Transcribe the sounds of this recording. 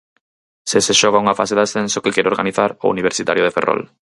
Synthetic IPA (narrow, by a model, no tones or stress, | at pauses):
seseʃɔɣ̞auŋafa̰seðasθensokekeɾoɾɣa̰niθaɾo̰ṵniβ̞eɾsit̪aɾjoðeferɔ̰l